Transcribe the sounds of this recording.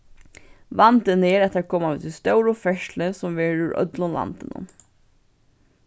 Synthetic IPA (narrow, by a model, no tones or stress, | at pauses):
ʋɑnt̪əneːɾɛt̪ːəɾakʰɔːmaʉt̪ɪst̪œʊɹɔfɛʃləsɔmʋeːɹʉɹœ̰d̪lʊnla̰nt̪ənə̰